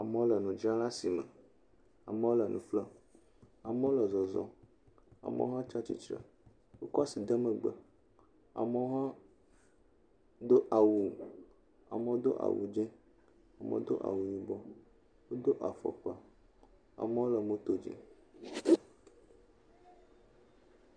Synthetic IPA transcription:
a˨mə̃˦lə˨nũ˨d͡ʒã˦la˦si˨mə˨ | a˨mə˦wo˦lə˨nũ˨flə˦ | a˨mə˦wo˦lə˨zɔ˨zɔ˦ | a̰˨mə̰˦ɦã˦t͡ʃa˦t͡ɕḭ˦t͡ʃɾə̰˨ | wo˦kɔ˦a˦si˨d̪ə˦mə˨ɡ͡bə˦ | a̰˨mə˦wo˦ɦã˦ | d̪o˦ʔa˨wu˨ | a̰˨mə˨wo˦d̪o˦ʔa̰˨wṵ˨d͡ʒɛ̃˦ | a˨mə̰˨˦d̪o̰˦ʔa̰˨wu˨ɲi˨bɔ˦ | wo˦d̪o˦ʔa˨fɔ̰˨k͡pa˨ | a̰˨mə˦wo˦lə˨mo˦t̪o˦d͡ʒḭ˨

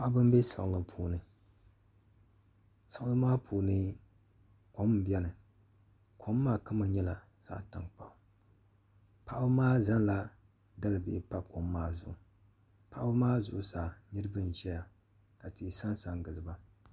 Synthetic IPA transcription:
pa˨ʔa˦bɨ˦m˦bɛ˦sa̰˨ŋ˨lɨ˨mpʰuː˨nɨ˨ | sa˨ŋ˦lɨ˦maː˦pʰuː˨nɨ˦ | ko˨˦m˨bjɛ˦nɨ˨ | kʰo˦mː˦aː˦ka˦ma˨ɲɛ˦la˨ | z̥a̰˨ta̰˨ŋk͡pa˨ʔʊ˨ | pʰa˨ʔa˦bɨ˦maː˦za˦nla˦ | da˦lɨ˨bɪ̰˨pa˦ko˨mːaː˦zʊ̰˨ʔʊ˨ | pa˨ʔa˦bɨ˦maː˦zʊ˨ʔʊ˨saː˨nɨ˦ɾɨ˦bɨ˦n˨ʒɛ˦ja˨ | ka˨ti˨sa˦nsa˨ŋɡɨ˨lɨ˨ba˦

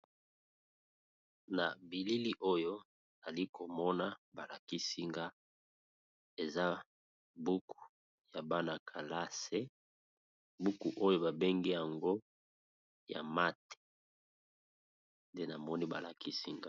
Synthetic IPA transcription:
na̰˨bi˨li˦li˦ʔo˦jo˦ | na˨li˦kʰo˨mɔ˦na˦ba˨la˨ki˦si˦ŋɡa˦ | e˨za˦ | bu˦ku̥˨ | ja˨ba˦na˨kʰa˨la˦se˦ | bu˦ku˨ʔo˦jo˦ba˨be˦ŋɡɛ˦ja˨ŋɡo˦ | ja̰˨ma˦te̥˨ | nde˦na˨mɔ˦ni˦ba˨la˨ki˦si˦ŋɡa˦

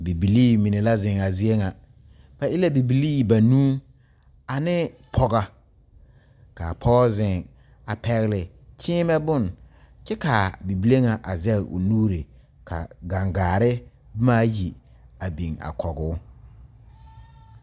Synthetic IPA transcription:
bi˨bi˨liː˦mi˨ne˨la˦zɪ˨ŋa˨zɪ˦e˦ŋa˨ | ba˨ʔɪ˦la˦bi˨bi˨liː˦˨ba˨nũː˦ | a˨nɪ˦pʰɔ˦ɡa˨ | ka̰˨pʰɔ˦zɪ˨ŋ | a˨pɛ˦ɣɪ˦lɪ˨ | t͡ʃʰɪː˦mɛ˦bʊ˦˨n | t͡ʃɛ˦ka˨bi˨bi˨le˦ŋa˨ʔa˨zɛ˦lʔʊ̰˨nuː˦ɾe˨ | kʰa̰˨ɡa˨ŋɡaː˨ɾɪ˦ | bmaː˦ji˨ | a˨bi˨ŋa̰˨kʰɔ˨ɡʊː˦

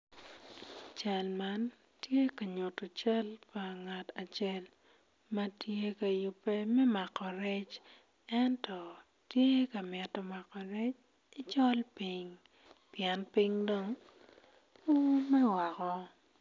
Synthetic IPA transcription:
t͡ʃa˨lma˦n | tje˦ka˨ɲʊ˨tɔ˨t͡ʃa˦lpa˨ŋa˨ta˨t͡ʃɛ˦l | mɐ˦tje˦ka˨jʊ˨pːe˦mɛ˦ma˨kɔ˨ɾɛ˦t͡ʃ | ɛ˦ntɔ˨ | tje˦ka˨mɛ˨tɔ˨ma˨kɔ˨ɾɛ˦t͡ʃ | ɪ˦t͡ʃɔ˦lpi˦ŋ | pjɛ˦npi˦ŋdo˦ŋ | o˦mɛ˦wa˨kɔ˦

